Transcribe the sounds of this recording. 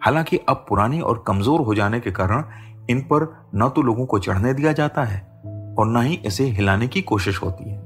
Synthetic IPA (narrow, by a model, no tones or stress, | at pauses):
haːlãːkɪʔɐb̚pʊɾaːniʔɔ̰ːɾkɐmzoːɾɦod͡ʒaːnekekaːɾəɽ̃ | ɪnpɐɾ | nat̪oloːɡõkot͡ʃɐ̰ɽ̤ned̪ijad͡ʒaːt̪aɦɛː | ɔːɾnɐɦiʔɪseɦɪlaːnekikoːʃɪʃɦo̰ːt̪iɦɛː